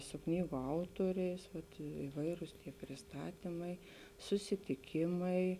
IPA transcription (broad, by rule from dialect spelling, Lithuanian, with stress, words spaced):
sʊ ˈknʲiːɡʊ ˈɐʊtuɔrʲɛɪs ˈʋɐt ɪˈʋɐɪrʊs pʲrʲɪsˈtɑːtʲiːmɐɪ sʊsʲɪtʲɪˈkʲɪmɐɪ